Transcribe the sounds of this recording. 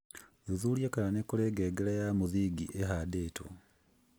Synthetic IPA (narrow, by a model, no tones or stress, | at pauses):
uðuljekalanekuleɡeːɡeɾajamuðiːɡiʔeɦadeːto̰